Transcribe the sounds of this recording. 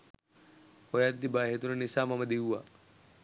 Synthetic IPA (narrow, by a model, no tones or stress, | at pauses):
ojat̪̚d̪ibaːɦet̪ununisaːmamɐd̪iɦua